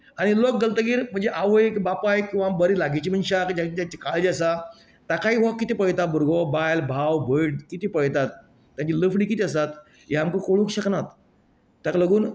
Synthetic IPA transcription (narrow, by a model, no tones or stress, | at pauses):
aɽ̃ilok̚ɡəlt̪əɡiːɾm̤əɳd͡zeʔaʋəjkbapajkĩw̃ʋambəɾiːlaɡit͡ɕiːm̤ənɕakd͡ʑad͡ʑat͡ɕikaled͡ʑiasa | t̪akaɦiːɦokːit̪ipəɭt̪at̪̚buɾɡobajlbʱawbʱəɽkit̪ipəjt̪at̪̚ː | jãt͡ɕiləfɖiːkit̪iəsat̪ | jeɦamkəkoɭũŋkɕəknat̪ | t̪ːakləɡuːn